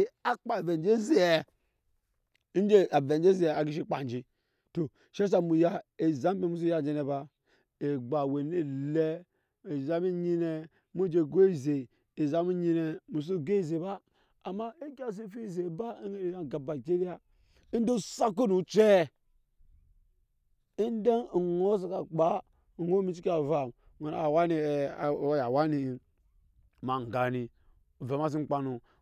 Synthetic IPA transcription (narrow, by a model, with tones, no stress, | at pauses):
a˦k͡pa˨ve˨n˦d͡ʒe˦ze˦˨ɛ˨˦ | n̩˦d͡ʒe˦a˨ve˨n˦d͡ʒe˦zi˦˨a˨ɡi˦ʃ̬i˦k͡pa̰˨n˨d͡ʒi˨ | to˨ | ʃe˦s̬a˦mu˨ja˦e˨za˦m˦e˦˨mu˦s̬u˦ja˦˨d͡ʒe˨ne˨ba˦ | e˨ɡ͡ba˨we˨ne˦le˦ | e˨za˨˦mi˦ɲi˦ne˨ | m˦o˦d͡ʒe˨ɡo˦i˦˨ze˨ | e˨za˨mi˦ɲi˦ne˨mu˨s̬u˦ɡe˦˨ze˨baː˦˨ | ma˦e˦ka˦˨s̬i˦fi˦˨ze˨ba˦˨ja˨ɡa˨ba˨d͡ʒe˦ɾi˦a˦ | i˦n˦do˦sa˦k̬u˦nu˨t͡ʃe˦ | i˦n˦de˦n˨ŋo˦sa˨ka˨k͡pa˨˦˨ | ŋo˦mi˦t͡ʃi˦ka˨va˨m | wʷe˨a̰˨wa˦ni˨˦ja˨wa˦ni˨i˨ | ma˨ŋ˨ɡa˨ni˨ | ve˨ma˦s̬i˦ŋ͡m̩˦˨k͡pa˨nu˨